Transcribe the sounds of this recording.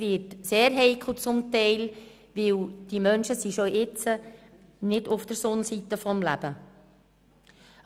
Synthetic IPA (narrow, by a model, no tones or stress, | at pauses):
ʋɪːtseːɾɦɛɪkʰl̩ˠt͡sʊmtɛɪl | ʋɪwd̥imœnʃəsiʃoʔɪt͡sə | nɪdʊfd̥əɾsʊnsit̪əfɔmlæ̰b̥ə